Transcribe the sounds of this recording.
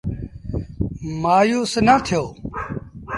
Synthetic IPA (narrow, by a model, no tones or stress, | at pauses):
maːjuːsnaːt̪ʰɪjoː